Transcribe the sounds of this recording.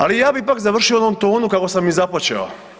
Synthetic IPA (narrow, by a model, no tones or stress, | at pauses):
alijaːbipakzaʋr̩ʃioonomt̪o̞ːnukako̞samːizaplat͡ɕḛo̰